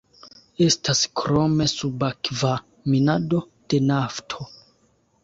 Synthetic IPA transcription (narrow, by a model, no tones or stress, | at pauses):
e̞staskɾo̞me̞subakva | minado̞ | d̥e̞naftʰo̞